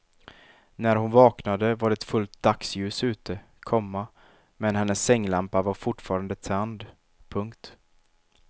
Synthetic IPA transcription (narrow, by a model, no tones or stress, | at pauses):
næɾhʊnvɑːknad̪əvaɖɛɛt̪fɵlt̪̚d̪aksjʉ̟ːsʉ̟ːt̪ə | kʰɔmːa | mɛnɦɛnːəsːɛŋːlampavaɾfʊʈfɑːɾand̪ət̪ʰɛnd̪ | pʰɵŋkt̪